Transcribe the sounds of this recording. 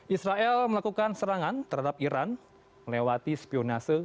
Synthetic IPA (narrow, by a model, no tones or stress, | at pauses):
ʔisɾaʔɛlməlakukansəɾaŋant̪ərɦadap̚iɾan | məlewat̪ispionasə